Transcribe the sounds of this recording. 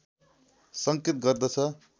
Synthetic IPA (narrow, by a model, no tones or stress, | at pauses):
sʌŋket̪̚ɡʌrd̪ʌt͡sʰʌ